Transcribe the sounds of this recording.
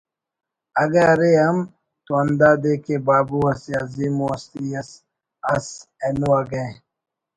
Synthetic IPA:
ɐɡɐɾeɐm | t̪oɐnd̪aːd̪ekebaːbuɐsiaziːmuɐst̪iɐs | ɐsenuwaɡɐẽ

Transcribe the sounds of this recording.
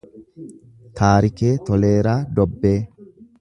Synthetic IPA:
t̪ʰaːɾɪke̞ːt̪ɔle̞ːɾaːd̪ɔbːe̞ː

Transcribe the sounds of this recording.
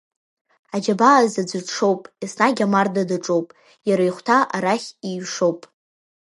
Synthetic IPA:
ad͡ʒabaːzad͡zʷɨʂo̞wpʼisnaɡʲamardadaʈ͡ʂʼowpʼ | jaɾajχʷtʰaʔaɾaχʲijʂo̞wpʼ

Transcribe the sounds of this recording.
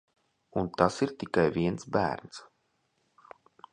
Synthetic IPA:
unt̪asiɾt̪ikajviɛnsbæ̰ːɾns

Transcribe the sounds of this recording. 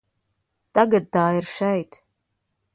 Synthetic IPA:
t̪aɡad̪̚ːaːirʃɛjt̪

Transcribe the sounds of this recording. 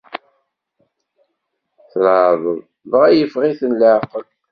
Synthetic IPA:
θɾaðˤəðˤ | vʁæjəfʁiθənləʕqəl

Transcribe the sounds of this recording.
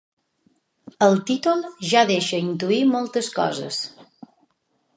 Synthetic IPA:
əlˠt̪it̪ulˠʒaðeʃəint̪̬uimɔlˠt̪əskɔ̰zə̰s

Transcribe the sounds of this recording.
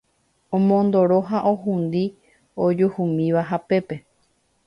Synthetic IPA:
õmõnd̪oɾoɦaʔoɦũnd̪i | od͡ʒuhumĩʋaɦape̞pe

